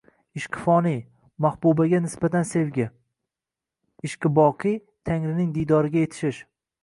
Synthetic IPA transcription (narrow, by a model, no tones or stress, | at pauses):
ɪʃqʰɨ̥fɒnij | mahbubaɡʲanɪsbat̪ʰanse̞vɡʲɪ | ɪʃqʰɨbɒqʰɨj | t̪ʰaŋɾɪnɪŋd̪ijd̪ɒɾɪɡʲaje̞t̪ʰɪ̥ʃɪʃ